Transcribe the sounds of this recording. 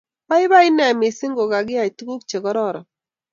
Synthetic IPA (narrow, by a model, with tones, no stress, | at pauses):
pa˦ɪ˦ba˦ɪ˦nɛ˨mɪ˨sɪ˦ŋɡo˨ɡa˨ɡɪ˦a˨i˨tɡu˦kt͡ʃe˨ɡɔ˨˦ɾɔ˦˨ɾɔ˨